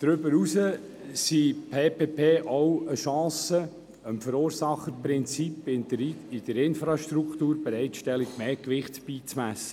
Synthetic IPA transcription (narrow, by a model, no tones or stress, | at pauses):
d̥ɾʏbəɾusə | sipʰeːpeːpeːʔɔwəʃɑ̃ːsə | əmfəɾoːɾsɑχəpɾɪnt͡sipɪdəɾiɪd̥əɾɪnfɾɑʃt̪ɾuktuːɾbɛɾɛɪtʃtɛliɡ̥meːkʋɪχtb̥iːt͡smæsə̥